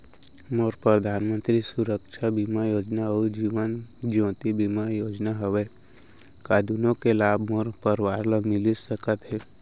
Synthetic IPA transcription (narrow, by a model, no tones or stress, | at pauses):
moɾpɾəd̪ʱaːnmə̃nt̪ɾisuɾəkʃʰabimajoːd͡ʒnaɔd͡ʒiːʋənd͡ʒõːt̪ibimajoːd͡ʒnaɦəʋe | kaːd̪unõkelaːbʱmoɾpəɾwaːɾləmɪlisəkət̪ɦɛ